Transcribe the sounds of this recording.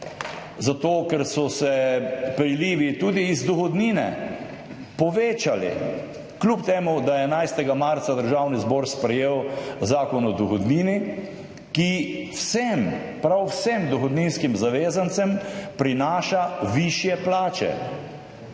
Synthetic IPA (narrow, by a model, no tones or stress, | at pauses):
zat̪oːkɛɾsɔsɛpɾiliːʋit̪uːd̪iːzd̪ɔxɔd̪niːnɛ̰ | pɔʋeːt͡ʃalḭ | klupt̪eːmud̪ajɛnajst̪ɛɡamaɾt̪sad̪əɾʒaːwnizbɔːɾspɾɛjeːwzaːkɔnɔd̪ɔxɔd̪niːni | kiwsɛm | pɾawsemd̪ɔxɔd̪niːnskimzaʋeːzant̪sɛmpɾinaːʃaʋiʃjɛplaːt͡ʃɛ̰